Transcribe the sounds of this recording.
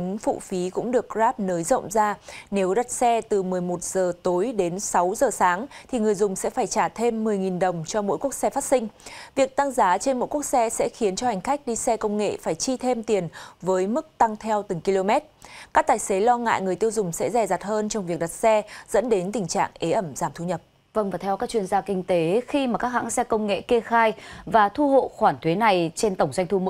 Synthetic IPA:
fṵ˧˨fi˨˦kʊ̰˧˥ŋ͡mɗɨ˨˩ək̚zaː˦˥p̚nəː˨˦jzə̰˧˨wŋ͡mzaː˧ne˨˦wɗa˨˩t̚sɛ˧t̪ɨ˨˩mɨ˨˩əjmo˨˩t̚zəː˨˩t̪o˨˦jɗe˨˦nsa˨˦wzəː˨˩saː˨˦ŋt̪ʰi˨˩ŋɨ˨˩əjzʊ˨˩ŋ͡msɛ̰˧˥faː˧˩jt͡ɕaː˧˩t̪ʰe˧mːɨ˨˩əjŋi˨˩nɗə˨˩wŋ͡mt͡ɕɔ˧mo̰˧˥jku˦˥ək̚sɛ˧faː˦˥t̚sï˧ŋ̟vi˨˩ək̚t̪a˧ŋzaː˨˦t͡ɕe˧nmo̰˧˥jku˦˥ək̚sɛ˧sɛ̰˧˥xi˨˦ənt͡ɕɔ˧ha˨˩jŋ̟xa˦˥jk̟̚ɗi˧sɛ˧kə˧wŋ͡mŋḛ˧˨faː˧˩jt͡ɕi˧t̪ʰe˧mt̪i˨˩ənvəː˨˦jmɨ˦˥k̚t̪a˧ŋt̪ʰɛ˧wt̪ɨ˨˩ŋki˧lo˧mɛ˦˥t̚kaː˦˥k̚t̪aː˨˩jse˨˦lɔ˧ŋa̰ː˧˨jŋɨ˨˩əjt̪əwzʊ˨˩ŋ͡msɛ̰˧˥zɛ˨˩za˨˩t̚həː˧nt͡ɕɔ˧wŋ͡mvi˨˩ək̚ɗa˨˩t̚sɛ˧z̥ə̰˧˥nɗe˨˦nt̪ï˨˩ŋ̟t͡ɕa̰ː˧˨ŋʔe˨˦ʔə˧˩mzaː˧˩mt̪ʰu˧ɲə˨˩p̚ | və˧nvaː˨˩t̪ʰɛ˧wkaː˦˥k̚t͡ɕwi˧ənzaː˧kï˧ŋ̟t̪e˨˦xi˧maː˨˩kaː˦˥kha̰˧˥ŋsɛ˧kə˧wŋ͡mŋḛ˧˨ke˧xaː˧jvaː˨˩t̪ʰu˧ho̰˧˨xwaː˧˩nt̪ʰwe˨˦na˨˩jt͡ɕe˧nt̪ə˧˩wŋ͡mza˧jŋ̟t̪ʰu˧m̰˧˦

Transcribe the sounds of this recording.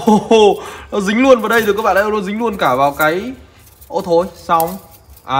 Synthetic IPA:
o˧˩nɔ˨˦zï˨˦ŋ̟lu˧ənvaː˨˩ɗə˧j̪ɨ˨˩kaː˦˥ɓ̰aː˧˨aː˧zŋ̟lu˧ənkaː˧˩vaː˨˩wkaː˨˦j | ʔo˧˩t̪ʰo˨˧˦jsa˧wŋ͡m | ʔaː˨˧˨

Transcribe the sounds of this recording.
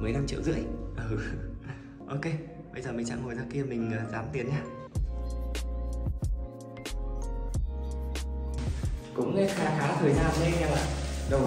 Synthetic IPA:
mɨ˨˩əjna˧mt͡ɕḭ˧˨əwzɨ̰˧˥əjʔə˨˩ | ʔo˧ke˧ | ɓə˧jzəː˨˩mï˨˩ŋ̟t͡ɕa̰˧˥ŋo˨˩jzaː˧ki˧əmï˨˩ŋ̟əː˨˩zaː˨˦mt̪i˨˦ənɲaː˧ | kʊ̰˧˥ŋ͡mne˨˦˥nxaː˧xaː˨˦t̪ʰəː˨˩jzaː˧nɗə˧jɲa˧˩laː˨˩ɗə˧

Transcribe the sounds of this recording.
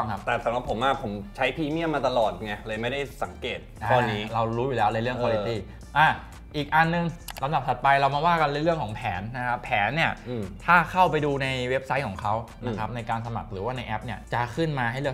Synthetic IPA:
kʰa˦˥p̚t̪ɛː˨˩sa˩˦mɾa˨˩p̚ʰːo˩˦maː˧˩pʰo˩˦mt͡ɕʰa˦˥jpʰiː˧mi˥˩əmaː˧t̪a˧lɔː˨˩t̪̚ŋa˧˩jlɤː˧jma˥˩jda˥˩jsa˩˦ŋkeː˨˩t̪̚aɔː˧nːiː˦˥ɾa˧wɾuː˦˥juː˨˩lɛː˦˥wlaː˧ɾɯ˥˩əkʰaː˧li˦˧t̪iː˥˩ | ʔaː˧˩ | ʔiː˨˩k̚ʔa˧nːɯ˧ŋla˨˦mda˨˩p̪̚ʰa˨˩t̪̚pa˧jɾa˧wma˧waː˥˩ka˧nlːɾɯ˥˩əŋkʰɔː˩˦ŋpʰɛː˩˦nːa˦˥kʰa˦˥pʰːɛː˩˦nːi˥˩ɐ˧˩t̪ʰaː˥˩kʰa˥˩wpa˧jduː˧na˧jwe˦˥p̚sa˦˥jkʰɔː˩˦ŋkʰa˦˥wna˦˥kʰɾa˦˥p̚na˧jkaː˧nsa˧ma̰˨˩k̚ɾɯː˩˦waː˥˩na˧jʔɛ˦˥p̚ni˥˩ɐt͡ɕa˨˩kʰɯ˥˩nmaː˧ɦa˥˩jlɯ˥˩ə

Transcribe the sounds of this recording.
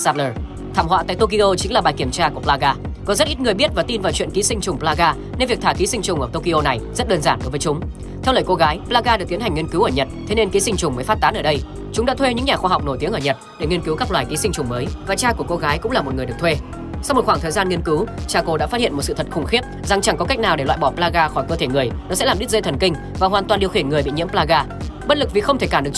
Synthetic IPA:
sa˧ləː˨˩ | t̪ʰaː˧˩mhwa̰ː˧˨t̪a̰˧˨jt̪o˧ki˧ʔo˧t͡ɕï˨˦ŋlaː˨˩ɓaː˨˩jki˧˩əmt͡ɕaː˧ku˧˩əplaː˧ɣaː˧kɔ˨˦zə˦˥t̚ʔi˦˥t̚ŋɨ˨˩əjɓi˦˥ət̚vaː˨˩t̪i˧nvaː˨˩wt͡ɕwḭ˧˨nki˨˦sï˧ŋ̟t͡ɕʊ˨˩ŋ͡mplaː˧ɣaː˧ | ne˧nvi˨˩k̚t̪ʰaː˧˩ki˨˦sï˧ŋ̟t͡ɕʊ˨˩ŋ͡mʔəː˧˩t̪o˧ki˧ʔo˧na˨˩jzə˦˥t̚ɗəː˧nzaː˧˩nɗo˨˦jvəː˨˦jt͡ɕʊ˨˦ŋ͡m | t̪ʰɛ˧wləː˨˩jko˧ɣaː˨˦jplaː˧ɣaː˧ɗk̪̚i˨˦nhŋ̟ːi˧ənkɨ˨˦wʔəː˧˩ɲə˨˩t̚t̪ʰe˨˦ne˧nki˨˦sï˧ŋt͡ɕʊ˨˩ŋ͡mməː˨˦jfaː˦˥t̚t̪aː˨˦nʔəː˧˩ɗə˧j | t͡ɕʊ˨˦ŋ͡mɗa̰ː˧˥t̪ʰwe˧ɲɨ̰˧˥ŋɲaː˨˩xwaː˧ɦa˨wk͡p̚no˧˩jt̪i˨˦əŋʔəː˧˩ɲə˨˩t̚ɗe˧˩ŋi˧ənki˨˦wkaː˦˥k̚lwaː˨jki˨˦sï˧ŋ̟t͡ɕʊ˨˩ŋ͡mməː˨˦jvaː˨˩t͡ɕaː˧ku˧˩əko˧ɣaː˨˦jkʊ̰˧˥ŋ͡mlaː˨˩mo˨˩t̚ŋɨ˨əjɨ˨˩əkt̪ʰwe˧ | sa˧wŋ͡mmo˨˩t̚xwaː˧˩t̪ʰəː˨˩jzaː˧nŋi˧ənkɨ˨˦wt͡ɕaː˧ko˧ɗa̰˧˥faː˦˥t̚ḭ˧˨ə˨mo˨˩t̚sɨ̰˧˨t̪ʰə˨˩t̚xʊ˨˧˩ŋ͡mxi˦˥əp̚za˨˩ŋt͡ɕa˧˩ŋkɔ˨˦ka˦˥k̚naː˨˩wɗe˧˩lwa̰˧˨jɓɔ˧˩plaː˧ɣaː˧xɔ˧˩jkəː˧t̪ʰe˧˩ŋɨ˨˩əjnɔ˨˦sɛ̰˧˥laː˨˩ɓi˦˥t̚zə˧t̪ʰə˨˩nkï˧ŋ̟ | vaː˨˩ɦwaː˨˩nt̪wa˨˩nɗi˧wxi˧˩ənŋɨ˨˩əjɓḭ˧˨ɲḭ˧˥əplaː˧ɣaː˧ | ɓə˥t̚lɨ˨˩k̚vi˨˩xə˧wt̪ʰe˧˩kaː˧˩mɨ˨˩ət͡ɕ

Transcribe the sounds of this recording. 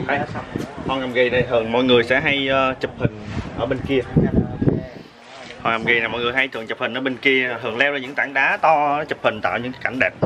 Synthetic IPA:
xa˨˦jlaː˧˦sa˧whɔ˨˩ŋa˨˩mɣi˨˩na˨˩jhɨ˨˩əŋmɔ̰˧˨jŋɨ˨˩əjsɛ̰˧˥ɦa˧jt͡ɕɨ˨˩p̚hï˨˩ŋ̟ʔəː˧˩ɓe˧nki˧ə˧˨˩ | hɔ˨˩ŋa˨˩mɣi˨˩na˨˩mɔ̰˧˨jŋɨ˨˩əjɦa˧jt̪ʰɨ̰˧˨˩ŋt͡ɕɨ˨˩p̚hi˨˩ŋ̟ʔəː˧˩ɓe˧nki˧ə˩h̪ɨ˨˩əŋlɛ˧wzaː˧˩ɨ̰˧˥ŋt̪aː˧˩ŋɗaː˨˦t̪ɔ˧t͡ɕɨ˨˩p̚hï˨˩ŋ̟t̪a̰ː˧˨wɲɨ̰˧˥ŋ˨˦ka˧˩ŋ̟ɗɛː˨˩p̚

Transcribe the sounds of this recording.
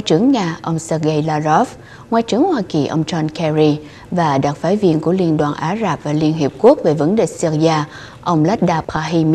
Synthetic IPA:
jt͡ɕɨ˨˦əŋɲaː˧˩ʔə˧wŋ͡msəː˧ɣə˧jlaː˧zɔ˦˥f | ŋwaː˧˦jt͡ɕɨ˨˦əŋhwaː˧ki˨˩ʔə̰˧wŋ͡mt͡ɕɔ˧nkʰɛ˧zi˧ | vaː˨˩ɗa˨˩t̚faː˧˦jvi˧ənku˧˩əli˧ənɗwaː˨˩nʔaː˨˦zaː˨˩p̚vaː˨˩li˧ənɦi˨˩p̚ku˦˥ək̚ve˨˩və˨˦nɗḛ˨si˧zaː˧ | ʔə˧wŋ͡mlɛ˦˥t̚ɗaː˧paː˧ɦi˧m

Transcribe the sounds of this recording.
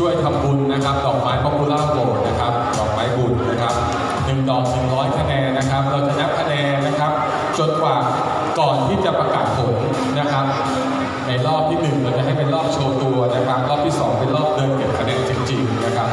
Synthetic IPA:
t͡ɕʰu˥˩əjt̪ʰa˧mbu˧nːa˦˥kʰa˦˥p̚d̪ɔː˨˩k̚maː˦˥jpʰɔː˦˥pu˧laː˥˩boː˨˩t̪̚na˦˥kʰa˦˥p̚d̪ɔː˨˩k̚maː˦˥jbu˨˩nːa˦˥kʰa˦˥p̚ | nɯ˨˩ŋdɔː˨˩k̚nɯ˨˩ŋɾɔː˦˥jkʰa˧nɛː˧nːa˦˥kʰa˦˥p̚ɾa˧wt͡ɕa˨˩na˦˥p̚kʰa˧nɛː˧nːa˦˥kʰa˦˥p̚ | t͡ɕo˨˩nkʰwaː˨˩ | kɔː˨˩nt̪ʰiː˥˩t͡ɕa˨˩pɾa˧kaː˨˩t̪̚pʰo˨˩˦n | na˦˥kʰa˦˥p̚ | na˧jɾɔː˥˩p̚t̪ʰiː˥˩nɯ˨˩ŋɾa˧t͡ɕa˨˩ɦa˥˩jpe˧nlɾɔː˥˩p̚t͡ɕʰoː˧t̪u˧ɐna˦˥kʰa˦˥p̚ɾɔː˥˩p̪̚ʰiː˥˩sɔː˩˦ŋpe˧nlɔː˥˩p̚dɤː˧nke˨˩p̚kʰɾa˧deː˧nt͡ɕi˧ŋt͡ɕi˧ŋna˦˥kʰa˦˥p̚

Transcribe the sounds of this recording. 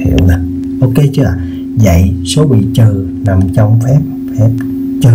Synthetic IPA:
ḭ˧˨əwla˨˩ | ʔo˧ke˧˦t͡ɕɨ˧˦a̰ː˨˩ | za̰˧˨jso˨˦ɓḭ˧˨t͡ɕɨː˨˩ | na˨˩mt͡ɕɔ˧wŋ͡mfɛ˦˥p̚ | fɛ˦˥p̚ | t͡ɕɨ˨˩

